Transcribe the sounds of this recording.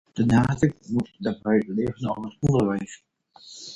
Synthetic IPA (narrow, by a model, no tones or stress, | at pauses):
d̥ənaːdəkmutdabœɥtleːvənovətɔndəɹʋɛjs